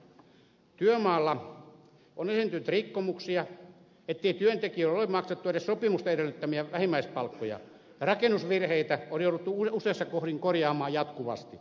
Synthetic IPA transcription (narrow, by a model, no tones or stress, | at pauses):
t̪yømɑːlːɑ | ʔonesint̪ynt̪rikːomuksiɑ | et̪ːeit̪yønt̪ekiølolemɑkset̪ːueɾessopimust̪ɑeɾelːyt̪ːæmiæʋæhimːæispɑlkːojɑ̰ | jɑrɑkenːusʋirheit̪æoljoˑuɾut̪ːuuuseːsːɑkohriŋkorjɑːmˑɑːjɑt̪kuʋɑ̰st̪i